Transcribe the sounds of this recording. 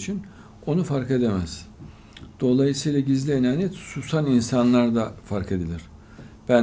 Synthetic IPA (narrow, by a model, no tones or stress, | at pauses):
t͡ʃʰin | o̞nufaɾke̞d̪e̞mæz̥ | d̪̥o̞lˠajɯsɯjlˠaɟizlʲienaːnjɛt̪susaninsanlˠaɾd̪afaɾke̞d̪ilʲiɾ̥ | b̥æn